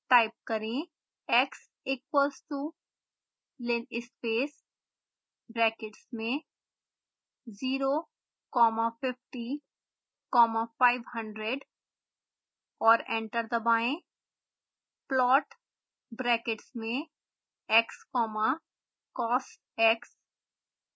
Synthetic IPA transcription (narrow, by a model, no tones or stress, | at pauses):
ʈaːɪp̚kɐɾẽ | ɛks | ɪkwəlsʈuː | lɪnɪspeːs | bɾɛːkɪʈsmẽ | ziːɾo | kɔːmapɪfʈi | kɔːmafaːɪʋɦɐ̃ɳɖɾeɖ | ɔːɾɛ̃ːɳʈəɾd̪ɐbaːẽ | plɔːʈ | bɾɛːkɪʈsmẽ | ɛkskɔːma | kɔːsʈ | ɛks